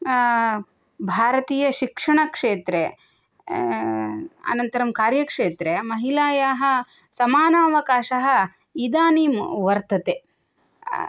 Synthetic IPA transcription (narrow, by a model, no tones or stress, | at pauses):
bʱaːɾɐt̪iːjɐʃikʂɐɳɐkʂeːt̪ɾe | ɐ̰nɐnt̪ɐɾɐmkaːɾjɐkʂeːt̪ɾemɐɦilaːjaːɦɐ̆ | sɐmaːnɐːɐʋɐkaːʃɐɦɐ̆ | id̪aːniːmʋɐɾt̪ɐt̪e